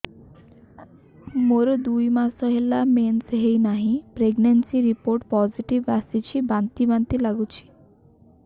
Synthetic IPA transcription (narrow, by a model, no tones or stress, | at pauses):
moɾod̪ujmasɔɦelamensɦejnaɦĩpɾeɡnensiɾipoɾʈpɔziʈiʋasit͡ɕʰibant̪ibant̪ilaɡut͡ʃʰi̥